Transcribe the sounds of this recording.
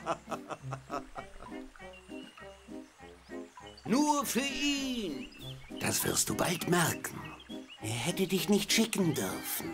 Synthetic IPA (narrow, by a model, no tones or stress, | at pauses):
nuːɐfyːɐʔiːnd̥asv̥ɪ̰ɐst̚d̥uːbaltmɛʁkn̩ʔeːɐɦɛtədɪçnɪçtʃɪkn̩dʏ̰ʁfn̩